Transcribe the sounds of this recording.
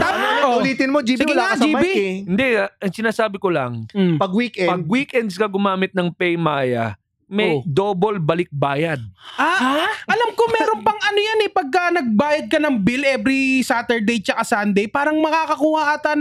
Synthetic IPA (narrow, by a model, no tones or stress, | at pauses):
t̪aːmaoʊliːt̪ɪnmod͡ʒiːsɪɪld͡ʒibiɪnd̪ɛɐŋsɪnaːsaːbɪkolɐ̰ŋpɐɡwikʔɛpɐɡ̚wikɛnd̪skɐɡʊmaːmɪt̪̚nɐŋpɛjmaːjɐ̰ | mɛjd̪oːbolbɐlɪk̚baːjɐd̪̚ʔaɐlamkomɛːɾo̞npɐŋɐnojanɛpɐɡ̚kɐnɐɡ̚baːjɐd̪̚kɐnɐŋbilʔɛbɾisaːt̪ɛɹd̪ɛjt͡ʃɐkasand̪ɛjpaːɾɐŋmɐkakɐkuːhɐʔat̪ɐn